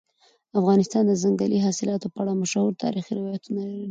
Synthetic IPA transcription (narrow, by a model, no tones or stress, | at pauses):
afɣɑnɪst̪ɑnd̪əzaŋɡaliɦɑsɪlɑt̪opəaɽamaʃahuɾt̪ʰɑ̰ɾixiɾɪwjat̪unalaɾii